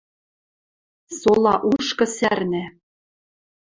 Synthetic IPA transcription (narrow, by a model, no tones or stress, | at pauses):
solˠɑʔuʃkɤ̆særnæ